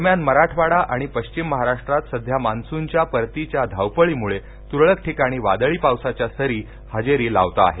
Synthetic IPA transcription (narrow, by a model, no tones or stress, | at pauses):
əmjanməɾaʈʰʋaɽaʔaɽ̃ipəɕt͡ɕimːəɦaɾaʂʈɾat̪səd̪ʱjamansuɲt͡ɕjapəɾt̪it͡ɕjad̪ʱawpəɭiːmuɭe | t̪uɾɭəkʈʰikaɽ̃iːʋad̪əɭiːpawsat͡ɕjasəɾiː | had͡ʑeɾiːla̰ʋt̪aa̰ɦe